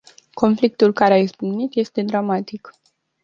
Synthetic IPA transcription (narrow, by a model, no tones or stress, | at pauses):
ko̞nflik̚t̪ulkaɾeaizbunit̪je̞st̪e̞d̪ɾamat̪ik